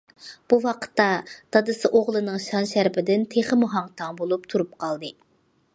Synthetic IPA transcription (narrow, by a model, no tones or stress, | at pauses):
b̥uwɑqʰə̥t̪ːɑd̪̥ɑd̪ɨsɨʔoʁlˠɨnɨŋʃɑnʃæɾpɪd̪ɪnt̪ʰeχəmuɦɑŋt̪ʰɑŋbolˠup̚t̪ʰuɾup̚qʰɑlˠd̪ɨ